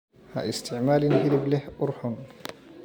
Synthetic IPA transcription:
ha̰ʔɪst̪ɪʕmaːlɪnhɪlɪblɪhʔʊɾħʊn

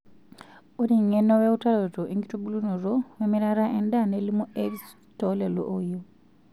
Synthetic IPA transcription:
oɾiŋenoweutalotoʔeŋɡitubulunoɾowemiɾaɾaʔendanelimoeβis | tolelo̰ʔojo

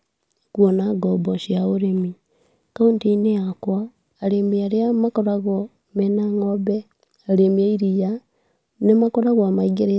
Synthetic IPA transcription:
kwonaɡoboʃiauɾemi | kauntineakwaː | lemiaɾeamakoɾaɣo | menaŋoβe | alemiaiɾija | nemakoɾaɣamaiɡeɾe

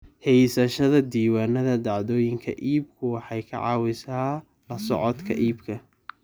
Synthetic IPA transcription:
hɛjsɐʃɐðɐd̪iːwaːnɐðɐd̪ɑʕðɔːjɪŋkʰɐ̰ʔiːb̚kʰʊwɑħɑjkʰɐ̰ʕɑ̰ːwɪsaː | lɐsɔ̰ʕɔt̪kʰɐ̰ʔiːbkʰɐ

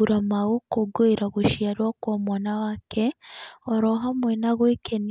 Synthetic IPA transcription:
uɾamaɣokoɡoiɾaβuʃjaɾwokwomwaːnawakʰeoɾoɦamwenaɣweken

